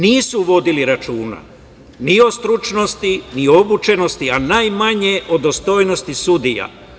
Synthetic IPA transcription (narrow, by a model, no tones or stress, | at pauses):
niːsuʋo̞d̪iliɾat͡ʃuːna̰ | nio̞st̪ɾut͡ʃno̞st̪inio̞but͡ʃe̞no̞st̪ianajmaɲe̞ʔod̪ost̪o̞jnost̪isud̪ija̰